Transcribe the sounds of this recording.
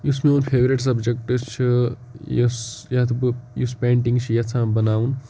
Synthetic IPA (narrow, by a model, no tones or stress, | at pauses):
jusmeoːnpʰeːʋɾiʈsɐbd͡ʒek̚ʈɨt͡ʃʰi | jsjɐt̪ʰbjuspẽːɳʈĩŋɡt͡ʃʰijɐt͡sʰãːmbɐnaːun